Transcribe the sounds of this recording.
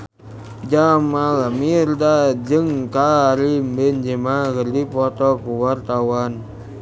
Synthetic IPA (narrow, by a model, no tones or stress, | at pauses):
d͡ʒamalamirdad͡ʒɨŋkaɾimbɛnd͡ʒemakərdipɔt̪ɔkuwart̪awan